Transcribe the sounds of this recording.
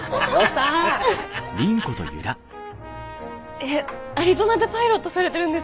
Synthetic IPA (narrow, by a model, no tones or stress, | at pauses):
a | ɾʲĩŋko̞t̪o̰jɯ̰ɾa | e | aɾʲizonad̪epaiɾo̞t̪ːosaɾe̞t̪e̞ɾɯ̟̃nd̪e̞s